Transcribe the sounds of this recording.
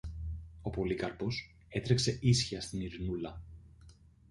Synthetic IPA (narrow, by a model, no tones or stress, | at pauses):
o̞po̞likɐɾpo̞s | e̞t̪ɾe̞kse̞ʔisçiɐst̪iniɾinulɐ